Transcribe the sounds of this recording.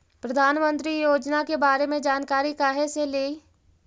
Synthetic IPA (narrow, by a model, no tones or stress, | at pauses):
pɾɐd̪ʱaːnmə̃nt̪ɾijoːd͡ʒnakebaːɾemẽd͡ʒaːnkaːɾikaːɦeseleːi